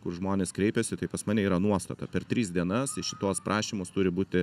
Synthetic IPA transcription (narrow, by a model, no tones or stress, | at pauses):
kʊrʒmoːnʲeːskɾʲɛɪpʲɛsʲɪt̪ɐɪpɐsmɑːnʲɛiːɾɐnuɔst̪ɐ̰t̪ɐ̰pʲɛɾt̪ʲɾʲiːzd̪ʲiɛnɐsɪʃʲɪt̪oːspɾʔɑːʃʲiːmost̪ʊɾʲɪbuːt̪ʲɪ